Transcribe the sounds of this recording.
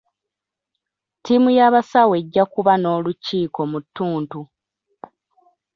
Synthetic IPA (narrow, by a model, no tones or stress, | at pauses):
timujaβasawe̞ɟːakuβano̞ːluciːko̞mutːuːntu